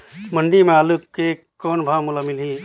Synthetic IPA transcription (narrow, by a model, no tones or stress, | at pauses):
məɳɖimẽaːlukke | kɔːnbʱãmulamɪlɦi